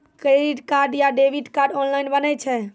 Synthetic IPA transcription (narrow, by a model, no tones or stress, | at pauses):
kɾeɖiʈkaɾɖjaɖeʋiʈkaɾɖɔnlajnbənɛt͡ʃʰɛ